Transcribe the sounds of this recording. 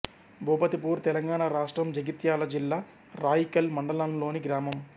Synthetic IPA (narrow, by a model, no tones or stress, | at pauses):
bʱuːpɐt̪ipuːɾt̪ɛlɐŋɡaːnaɾaːʂʈɾɐmd͡ʒɐɡit̪jaːlɐd͡ʒilːaː | ɾaːjikɐlmɐɳɖɐlɐnlo̞ːniɡɾaːmɐm